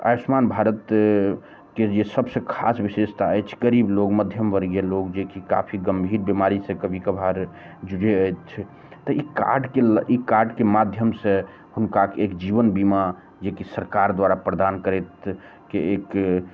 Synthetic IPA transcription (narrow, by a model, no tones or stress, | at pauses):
a̰smanbʱaɾət̪ | ked͡ʒesəbsẽkʰasʋisest̪ʰaət͡ʃʰɡəɾiːblokməd̪ʱjəmʋəɾɡjelokd͡ʒekika̰pʰiɡəmbʱiːɾbimaɾisẽkəbʱikəbʱaɾ | d͡ʒuɽeəjt͡ʃʰ | t̪ɔika̰ɾɖkelikaɾɖkemad̪ʱjəmse | hʊnkakeekd͡ʒiʋənbima | d͡ʒekisəɾkaɾd̪waɾapɾəd̪ankəɾet̪ | keek